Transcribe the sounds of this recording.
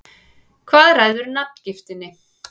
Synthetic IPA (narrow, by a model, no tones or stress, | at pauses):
kʰvaːðraːjðʏɾnap̚ncɪft̪ɪnːɪ